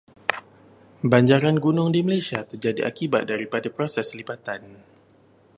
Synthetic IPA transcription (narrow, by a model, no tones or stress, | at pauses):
baɲd͡ʒaɾanɡunʊŋdiməlajsiat̪ərd͡ʒadiʔa̰kibat̪̚daɾipadapɾosɛslibat̪an